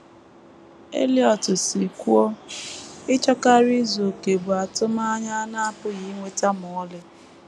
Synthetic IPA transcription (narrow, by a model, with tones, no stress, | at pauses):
ḛ˦li˦ɔ˨tʊ˨si˨kʷu˦o˦ | ɪ˦t͡ʃɔ˦ka˦ɾi˦zo˨ke˨bʊ˨a˨tʊ˦ma˦ɲa˦na˦a˦pʊ˦ɣi˦ŋʷe˦ta˦mɔ˨ɔ˦lɪ˦